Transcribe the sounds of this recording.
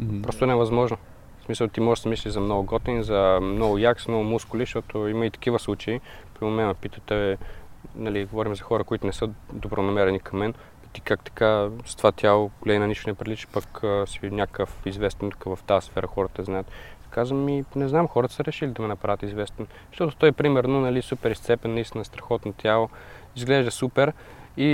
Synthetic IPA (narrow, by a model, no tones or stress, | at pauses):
ppɾɔst̪ʊnɛvɐzmɔʒno | smisəlˠt̪imɔʒɛd̪ɐmislʲiʒzɐmnɔɡʊɡɔt̪ɛnzɐmnɔɡʊjaksmnɔɡʊmuskʊliʃt̪ɔt̪oimɐit̪ɐ̥k̟ivəslˠut͡ʃɐipɾimomɛnɐpit̪ət̪ɛ | nɐliɡovɔɾimzɐxɔɾəkoit̪ʊnɛsɤd̪obɾonɐmɛɾɛnikɐmːɛn | it̪i̥kakt̪ɐ̥kast̪ovat̪ʲjalˠoɡolɛinɐniʃt̪ʊnɛpɾilit͡ʃpɐkːsinʲjakəfizvɛst̪ɛnt̪u̥kəvɐft̪asfɛɾʔəxɔɾət̪əznajət̪ | kazvəminɛznamxɔɾət̪ə̥səɾɛʃilid̪ɐmɛnɐpɾavʲət̪izvɛst̪ɛn | ʃt̪ɔt̪ʊ̥t̪ɔjɛpɾimɛɾnonɐlisupɛɾist̪sɛpɛnːɐist̪ʲinəst̪ɾɐxɔt̪not̪ʲjalˠo | izɡlɛʒd̪əsupɛɾ | i